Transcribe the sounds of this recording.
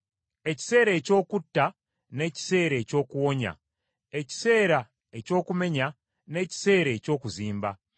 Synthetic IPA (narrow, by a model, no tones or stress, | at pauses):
e̞ci̥se̞ːɾe̞ːco̞ːkutːa | ne̞ci̥se̞ːɾe̞co̞ːkuwo̞ɲa̰ | e̞ci̥se̞ːɾa | e̞co̞ːkume̞ɲa | ne̞ːci̥se̞ːɾe̞co̞ːkuziːmba̰